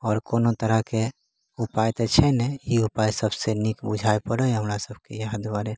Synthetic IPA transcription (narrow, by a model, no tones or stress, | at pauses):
ɔːɾkonot̪əɾəke | upajt̪ɔt͡ʃʰɛnɛiupajsəbsenikbud͡ʒʱaepəɽəjɦəmɾasəbʱkejad̪baɾe